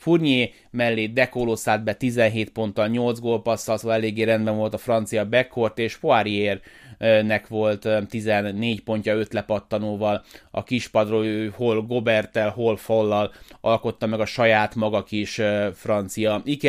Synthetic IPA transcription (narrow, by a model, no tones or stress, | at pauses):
furɲeː | mɛlːeːd̪ɛkolosaːd̪̚bɛt̪izɛnɦeːt̪po̞nt̪ːɒlɲo̞ld̪zɡoːlpɒsːɒlsoːɛleːɡːeːɾɛnd̪bɛɱvo̞lt̪ɒfrɒnt̪sijɒbɛkːo̞rt̪eːʃpoaɾijeːrnɛkʋo̞lt̪t̪ːizɛnːeːcpo̞ɲcɒøt̪lɛpɒt̪ːɒnoːvɒlɒ̰kiʃpɒd̪roholɡo̞bɛrt̪ɛlɦolfolːɒlɒlko̞t̪ːɒmɛɡɒʃɒjaːt̪mɒɡɒkiʃfrɒnt̪sijɒik